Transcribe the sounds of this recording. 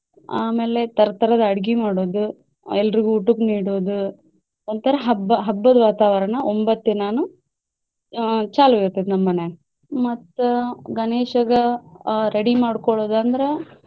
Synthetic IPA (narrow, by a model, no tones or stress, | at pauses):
aːmeːle̞t̪ɐɾɐt̪ɐɾɐd̪ɐɐɽɡimaːɽoːd̪u | ɛlːɐɾiɡuːʈːukniːɽoːd̪u | ont̪ʰɐɾɐɦɐbɐɦɐbːɐd̪ʋaːt̪aːʋɐɾɐɳɐombɐt̪ːinaːnu | t͡ʃaːluoɾt̪ːid̪nɐmːɐne | mɐt̪ːuɡɐneːʂɐɡɐɾeɽimaːɽkɔɭoːd̪ɐnd̪ɐɾe